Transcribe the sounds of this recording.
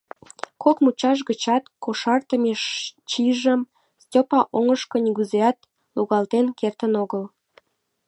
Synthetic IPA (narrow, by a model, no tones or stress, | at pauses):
kokmut͡ɕɑʃ̬ɣət͡ɕɑt̪koʃɑrt̪əmeʃt͡ɕiʒəm | stʲopɑʔoŋəʃkonʲiɣuzeɑt̪ | luɣɑlt̪enkert̪ənoɣəl